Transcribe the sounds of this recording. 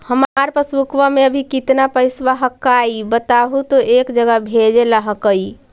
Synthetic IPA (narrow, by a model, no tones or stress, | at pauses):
həmaɾpəsʋukʋameəbʱikit̪napəjsbaɦəkaibət̪aɦut̪ɔʔekd͡ʒəɡəbʱed͡ʒelaɦəkəj